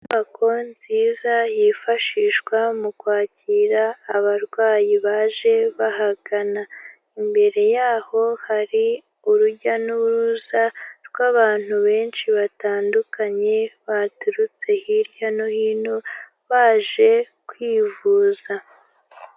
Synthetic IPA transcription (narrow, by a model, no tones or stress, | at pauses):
naβakʰo̞nziːzajifaʃiːʃwamukwaːciɾaːβaɾɡwaːjiβaːʒe̞βaɦaɡ̥ana | imbe̞ɾe̞jaːho̞haɾi | uɾuɟanuɾuzaɾɡwaːβaːn̥huβe̞ːnʃiβataːndukaɲe̞βatuɾut͡se̞hiɾjanohiːno | βaːʒe̞ | kwiːvuːza